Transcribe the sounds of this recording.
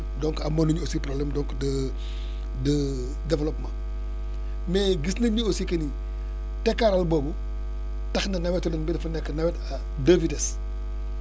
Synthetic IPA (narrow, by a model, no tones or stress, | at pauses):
dɔŋkɐmɐnuɲuosiprɔblɛmdɔŋkdə | də | dɛvlɔpmã | mɛːɡisnɐɲuosikɐni | tɛkːaɾɐlbɔːbu | tɐxnɐnɐwɛtɔlɐnbidɐfɐnɛkːənɐwɛtɐ | dəvitɛs